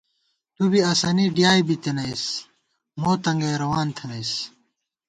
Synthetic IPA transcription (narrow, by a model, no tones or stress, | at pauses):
t̪ubiaːsaːniɖijaːjbit̪enɐjs | moːt̪ɐŋɡɐjɾɐwaːnt̪ʰɐnɐjs